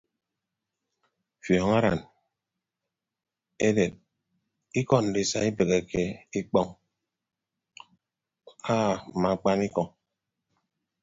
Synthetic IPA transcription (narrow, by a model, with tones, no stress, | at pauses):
fjɔː˨ŋa˦ɾa̰˨n | e˦de˨t̚ | i˦kɔ˦n̩˨di˨sa˦i˦be˨ke˨ke˦i˦k͡pɔ˦ŋ | aː˦˨ma˨k͡pa˦ni˦kɔ˨ŋ